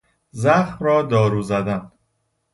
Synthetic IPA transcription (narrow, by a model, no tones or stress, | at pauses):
zæxmɾɒːd̪ɒːɾuːzæd̪æn